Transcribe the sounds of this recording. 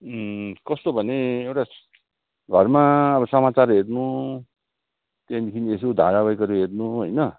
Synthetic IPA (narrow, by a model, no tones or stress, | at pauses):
kʌst̪obʱʌneewʈa | ɡʱʌrmaʌbʌsʌmat͡sarɦeɾnu | t̪ed̪ekʰinesod̪ʱa̰ɾabʌjkʌɾuɦeɾnuɦojnʌ